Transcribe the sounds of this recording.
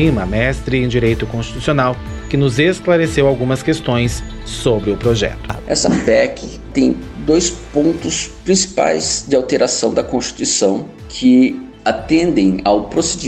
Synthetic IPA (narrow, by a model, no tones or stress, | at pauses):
ĩmɐmɛst̪ɾɪẽd͡ʒiɾejt̪ʊkõst͡ʃit̪u̥sionaw | kɪnʊzesklaɾesewawɡũmɐskest̪õj̃sː | obɾɪʊpɾoʒɛ̰t̪ʊɛ̰sɐ̰pɛkʰɪ | t̪ẽj̃d̪ojspõnt̪ʊspɾĩsi̥pa̰jzd͡ʒɪawt̪eɾasɐ̃w̃d̪ɐkõst͡ʃi̥t̪uisɐ̃w̃ | kʰɪ | at̪ẽnd̪ẽj̃awpɾosed͡ʒi